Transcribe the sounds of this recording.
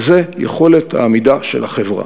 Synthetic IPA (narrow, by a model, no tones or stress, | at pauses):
zejḛχo̞le̞t̪ha̰ːmidaʃḛlaχevʁa̰